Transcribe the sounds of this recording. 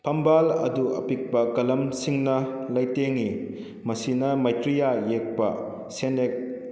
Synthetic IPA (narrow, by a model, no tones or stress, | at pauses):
pʰɐmbalɐduɐ̰pik̚pɐkɐlɐmsiŋnɐlɐjteŋi | mɐsinɐmɐjtɾijajek̚pɐ̰ | senek̚